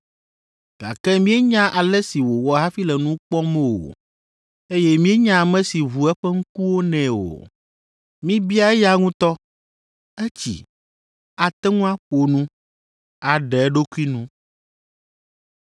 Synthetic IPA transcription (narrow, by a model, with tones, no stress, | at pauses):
ɡ̥a̰˨kɛ˦mĩ˦e˦ɲã˦ʔa˨lɛ˦si˨wo˨wɔ˨ɦa˦fi˦lɛ˨nũ˦k͡pɔ˦mɛ̃˦wo̰˨ | e˦jɛ˦mĩ˦ɛ˦ɲã˦˨mɛ̃˦si˨βu˨ɛ˦ɸɛ˦ŋ̩˦ku˦wo˦nɛ̃˨o̰˨ | mĩ˦bi˦a˦ɛ˦ja˦ŋũ˦t̪ɔ˦ | ɛ˦t͡ɕḭ˨ | a˨t̪ɛ˦ŋũ˦a˦ɸo˨nũ˦ | a˨ɖɛ˨ɛ˦ɖo˦ku˦i˦nũ˦